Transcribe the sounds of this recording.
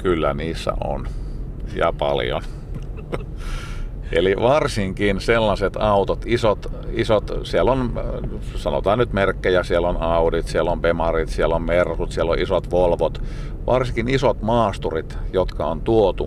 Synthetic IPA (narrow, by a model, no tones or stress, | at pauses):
kylːæniːsːæ̰ʔo̰n | jɑ̰pɑ̰ljo̰n | ʔḛliʋɑrsiŋkinselːɑset̪ɑut̪ot̪isot̪isot̪sielon | sɑno̰t̪ɑːnnyt̪merkːejæsielːonɑudit̪sielompemɑrit̪sielommerhut̪sielːoʔisot̪ʋolʋot̪ | ʋʔɑrsiŋkinisot̪mɑːst̪urit̪jot̪kɑont̪uot̪u